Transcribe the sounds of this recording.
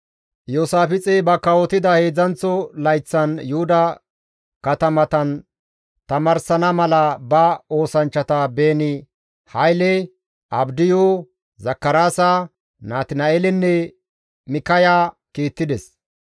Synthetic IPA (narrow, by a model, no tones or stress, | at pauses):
joːsaːfɪt͡sʼɛbɐkːɐwɔt̪ɪd̪ɐhe̞ːd͡zɐnt͡sːɔlɐjt͡sːɐnjʊhʊd̪ɐ | kɐt̪ɐmɐt̪ɐn | t̪ɐmɐɾsɐnɐmɐlɐbɐo̞ːsɐnt͡ʃːɐt̪ɐbe̞ːnɪ | hɐjlɛ | ʔɐbd̪ɪjo | zɐkːɐɾaːsɐ | naːt̪ɪnɐelɛnːɛ | mɪkɐjaː | kiːt̪ːɪd̪ɛs